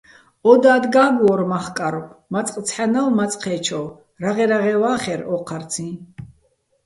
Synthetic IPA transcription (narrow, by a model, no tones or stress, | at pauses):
ɔd̪aːd̪ɡaːɡɔɾmaχkʼaɾɔpʰmat͡sʼqʼt͡sʰħanalmat͡sʼqʰɛːt͡ʃʰɔw | ɾaʁɛɾaʁɛwaːχɛɾɔqʰaɾt͡sʰĩ